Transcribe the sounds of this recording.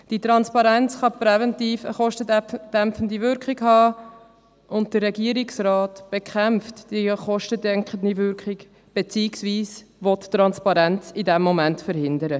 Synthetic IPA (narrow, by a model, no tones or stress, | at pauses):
d̥it̪ɾɑnspɑɾɛnt͡sχɑpɾɛvɛntiːfə̰χɔʃtədd̥æmpfəndivʏɾkχɪɡhɑː | ʔʊnt̚d̥ərɛɡiəɾɪksɾɑːtb̥ekʰχæmftd̥iχɔʃtədɛŋkχəndiʋʏɾkχɪɡ | b̥et͡siːksviːs | ʋɔtːɾɑnspɑɾænt͡sidɛmːɔmæntfəɾhɪndəɾə